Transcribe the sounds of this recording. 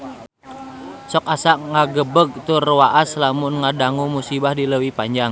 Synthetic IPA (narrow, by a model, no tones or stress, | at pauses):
sɔkasaʔŋaɡəbəɡ̚t̪ʊrwaʔaslamʊnŋadaŋumusibahdiləwipaɲd͡ʒaŋ